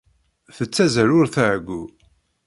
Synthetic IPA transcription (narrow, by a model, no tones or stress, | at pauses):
θət͡sːæzɾʊɾθəʕɡʷːu